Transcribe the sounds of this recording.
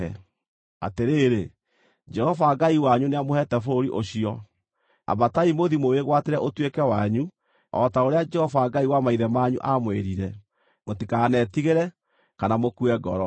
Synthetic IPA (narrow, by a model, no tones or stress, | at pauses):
ɛ | a̰teɾeɾe | d͡ʒɛhɔvaɡaiwaɲuneamohɛtɛfoɾiʔoɕiɔ | a̰bataimoðimoweɣwateɾɛʔotwekɛwaɲu | ɔ̰taoɾead͡ʒɛhɔvaːɡaiwamaiðɛmaɲṵʔamwḛɾiɾɛ | motikanɛtiɣeɾɛ | kanamokuɛɡɔ̰ɾɔ